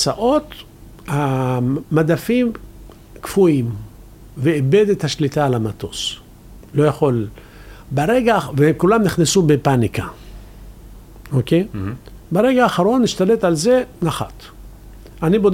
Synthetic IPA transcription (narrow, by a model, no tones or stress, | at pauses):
saʔo̞t̪ | hamad̪afim | kfuim | veːbe̞d̪et̪haʃlit̪aːlamat̪o̞s | lo̞jaχo̞l | beʁeɡavekulamniχnesubepanika | okej | beʁe̞ɡaːχaʁo̞nːiʃt̪ale̞t̪alze̞naχa̰t̪ | anibod